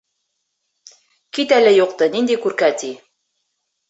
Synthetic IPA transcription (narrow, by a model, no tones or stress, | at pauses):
kit̪ælɘjuq̚t̪ɤnind̪ikʉɾkæt̪i